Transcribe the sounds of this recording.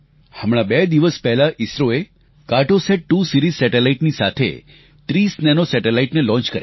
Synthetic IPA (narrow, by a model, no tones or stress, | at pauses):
həmɽ̃abɛd̪iʋəspɛɦlaʔisɾoe | kaʈoseʈ̚ʈusiɾizsɛʈelaiʈnisa̰t̪ʰḛ | t̪ɾisnɛnosɛʈelaiʈnelɔ̃nt͡ʃkəɾj